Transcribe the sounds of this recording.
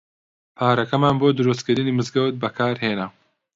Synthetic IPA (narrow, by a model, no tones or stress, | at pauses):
pʰaːɾɐkɐmaːnboːd̪ɨɾust̪kɨɾɨniːmɨzɡɐwt̪̚bɐkʰaːɾɦeːnɐ